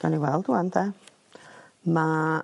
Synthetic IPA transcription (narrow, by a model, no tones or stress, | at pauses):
ɡ̥aniwɛlˠduant̪ʰɛ | ma